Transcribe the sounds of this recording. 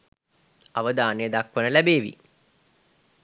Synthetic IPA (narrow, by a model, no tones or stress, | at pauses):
aʋəd̪aːnejəd̪akʋənəlæbeːʋḭ